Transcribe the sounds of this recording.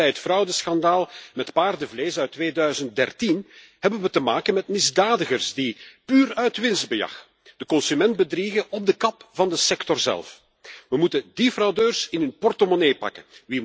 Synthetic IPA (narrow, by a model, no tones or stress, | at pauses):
ɛjɦətfrɑwdəsxɑndaːlˠmɛtpaːrdəvleːsœɥtːʋeːdœɥzənt̚dɛrtin | hɛbənʋətəmaːkənmɛtmɪzdaːdəɣərsdipyːrœɥtʋɪnzd̚bəjɑ̰x | d̥əkɔnsymɛndbədriɣəɔb̚dəkɑpv̥ɑndəsɛktɔrzɛ̰lˠf | ʋəmutədifrɑwdøːrsɪnɵnpɔrtomoneːpɑ̰kənʋi